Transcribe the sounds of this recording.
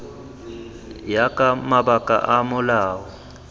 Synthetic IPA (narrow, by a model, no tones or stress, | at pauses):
jakʼamabakʼa̰ʔamʊlaːwɔ